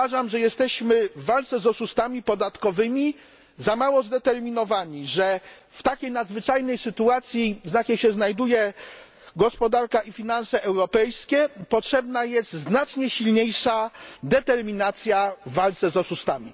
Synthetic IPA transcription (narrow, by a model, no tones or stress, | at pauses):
aʐamʐɛjɛst̪ɛɕmɘvːalt̪sɛzɔʂust̪amʲipɔd̪at̪kɔvɘmʲi | zamawɔzd̪ɛt̪ɛɾmʲinɔvaɲiʐɛ | ft̪akʲejnad̪zvɘt͡ʂajnɛjsɘt̪uat̪sʲjiznakʲejɕɛznajd̪ujɛ | ɡɔspɔd̪aɾkaʔifʲinansɛʔɛwɾɔpɛjskʲɛpɔtʂɛbnajɛst̪znat͡ʂɲɛɕilɲejʂad̪ɛt̪ɛɾmʲinat̪sʲjavːalt̪sɛzɔʂust̪amʲi